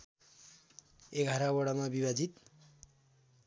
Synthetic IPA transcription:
eɡʱaɾawʌɽamabibad͡zit̪

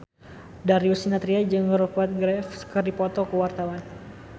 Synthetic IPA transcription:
daɾiusinat̪ɾiad͡ʒɨŋəɾupat̪̚ɡɾɛfsə̥kərdipɔt̪ɔkəwart̪awan

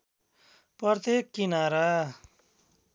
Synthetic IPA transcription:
pʌrt̪ekːinaɾa

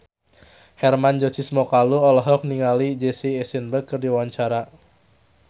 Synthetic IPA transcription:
hɛrmand͡ʒɔsismɔkaluɔlɔɦɔk̚niŋalid͡ʒesiːsinbəkɨrdiwaɲt͡ʃaɾa

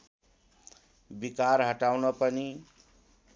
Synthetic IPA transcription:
bikaɾɦʌʈawnʌpʌni

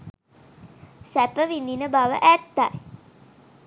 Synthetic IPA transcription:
sæpəʋind̪inəbaʋə̰ʔæt̪ːaj

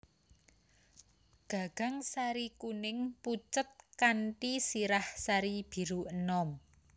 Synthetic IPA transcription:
ɡ̥a̤ɡ̥a̤ŋsaɾikunɪŋput͡ʃət̪̚kanʈisiɾahsaɾib̥i̤ɾuənɔm

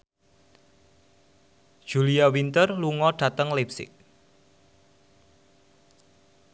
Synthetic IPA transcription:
ʒ̥uliawint̪ərluŋɔɖ̥ä̤t̪əŋlepsɪ̰k̚

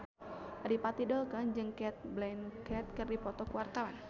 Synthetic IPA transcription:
dipat̪idɔlkənd͡ʒɨŋkɛt̪̚blɛnkɛt̪̚kɨrdipɔt̪ɔkuwart̪awan

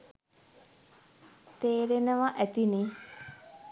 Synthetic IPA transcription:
t̪eːɾenəʋaʔæt̪ini

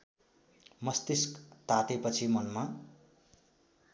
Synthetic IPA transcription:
mʌst̪iskt̪at̪epʌt͡sʰimʌnma

